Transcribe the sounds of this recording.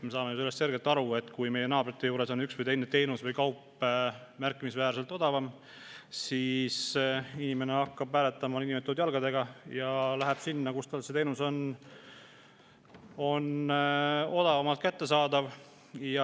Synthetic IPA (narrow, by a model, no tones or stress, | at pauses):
mesɑːmejuselːest̪se̞ɾɡe̞lt̪ːˑɑɾue̞t̪ːˑkujme̞jenɑːb̥ɾit̪ːˑe̞juːɾe̞so̞nyksvɯjt̪e̞jnːet̪e̞jnusvɤjkɑwpː | mæɾkːˑimisvæːɾse̞lt̪ˑo̞d̪̥ɑvɑm | siːsinime̞ne̞ɑkːɑb̥pæːle̞t̪ːˑɑmɑinʲimet̪ːˑod̪jɑlɡ̥ɑd̪e̞ɡ̥ɑjɑlæɦeb̥sinːɑkust̪ɑlse̞t̪e̞jnuso̞n | o̞n | o̞d̪̥ɑvɑmɑlt̪̚kæt̪ːe̞sɑːd̪ɑv | jɑ